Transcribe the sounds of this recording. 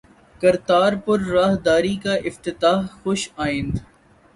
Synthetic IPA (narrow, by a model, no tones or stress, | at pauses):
kɐɾt̪aːɾpʊɾːaːɦd̪aːɾikaʔɪft̪ɪt̪aːɦxʊʃaːɪ̃nd̪